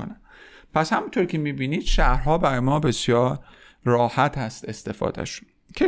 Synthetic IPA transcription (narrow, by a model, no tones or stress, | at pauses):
onæ | pʰæshæmunt̪ʰoɾcʰʲe̞miːbiːniːd̪̥ʃæhɾɦɒːbæɾɒːjmɒːbesjɒːɾː | ɒːhæt̪ʰhæst̪e̞st̪e̞fɒ̰ːd̪æ̰ʃ | cʲʰe